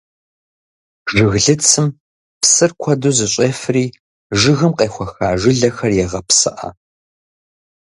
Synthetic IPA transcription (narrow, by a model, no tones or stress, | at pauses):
ʐʒɨɣɮɨt͡sʰɨm | psɨrkʷʰɐduːzɨɕʷʼeːfɨriː | ʒɨɣɨmqʼeːxʷɐxaːʒɪɮɐxɐrjɛʁɐpsɨ̰ʔɐ̰